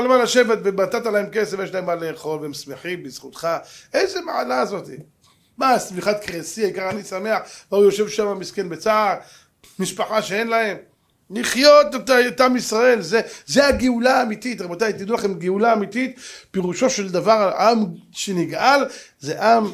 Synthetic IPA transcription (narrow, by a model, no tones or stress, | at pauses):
almalaʃe̞vet̪vebat̪at̪alahemkesevjeʃ̬laemːaleeχo̞lveemsme̞ħimbiz̥χut̪χaʔejzemaʕalaːzo̞t̪i | masmiχat̪kʁesiajkaʁanisame̞aħvaujo̞ʃe̞vʃamamiskenbet͡saaʁ | miʃpaħaʃeenlahe̞m | liχjo̞t̪et̪at̪amisʁae̞lzezeaɡeulaːmit̪it̪abat̪ajt̪id̪ulaχe̞mɡeulaːmit̪it̪peʁuʃo̞ʃe̞ld̪avaʁaʔamʃeniɡʔal | zeʔam